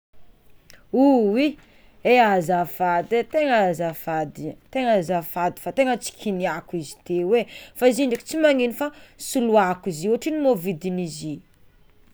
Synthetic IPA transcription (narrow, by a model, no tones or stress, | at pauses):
uwi | eazafad̪et̪eŋazafad̪it̪eŋazafad̪i̥fat̪eŋət͡si̥kʰiniakizi̥t̪ewefaiziɳɖ͡ʐiki̥t͡simaŋinifasuluakiziuaʈ͡ʂinimovid̪inizi